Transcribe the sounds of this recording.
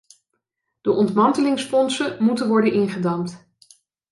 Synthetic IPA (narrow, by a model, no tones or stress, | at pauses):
d̥əʔɔntmɑntəlɪŋsfɔnsəmutənʋɔɹdənɪnχədɑmt